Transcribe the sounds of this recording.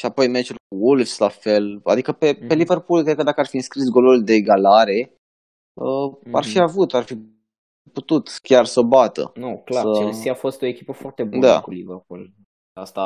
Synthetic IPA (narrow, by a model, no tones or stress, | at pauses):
ʃiapo̞jmet͡ʃulkuwulvslafe̞la̰d̪ikəpe̞pe̞liverpulkɾed̪̚kəd̪akəarfiɨnskɾisɡo̞luld̪eːɡalaɾe̞ | əa̰rfiavut̪arfi | put̪ut̪kʲarsəbat̪ə̰noklaəesiafo̞st̪o̞ekʲipəfoart̪ebd̪a̰kuliverpul | ast̪a